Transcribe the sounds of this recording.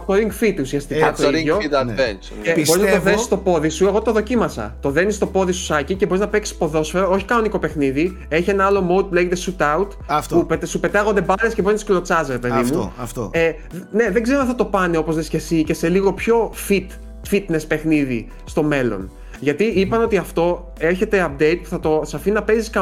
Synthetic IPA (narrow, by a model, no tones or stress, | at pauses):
t̪oɾiŋɡfit̪usiɐst̪ikɐt̪oiɾioit̪ɐent͡ʃ | ebboiznɐt̪oðe̞ssist̪o̞po̞ðisue̞ɣo̞t̪oðo̞cimɐsɐ̰t̪o̞ðe̞nist̪o̞po̞ðisu̥sɐciceboiznɐpeksi̥spo̞ðo̞sfe̞ɾoo̞çi̥kɐnoniko̞pe̞xniði | e̞çie̞nɐɐlo̞mowd̪̚puleʝet̪esut̪ɐut̪ɐftpupet̪supe̞t̪ɐɣond̪e̞bɐt̪ɾescebot̪sklo̞t͡sɐzðepeððimuɐft̪oe | ne̞ðeɡzeoɐθɐt̪o̞pɐneo̞po̞zðesce̞sice̞se̞liɣo̞pço̞fit̪ | fit̪nespe̞xniði | st̪o̞me̞lo̰n | ʝɐt̪iipɐno̞t̪iɐft̪o̞ | e̞ɾçe̞t̪e̞ɐp̚d̪e̞jt̪̚pu̥θɐt̪o̞sɐfinɐpe̞ziskɐ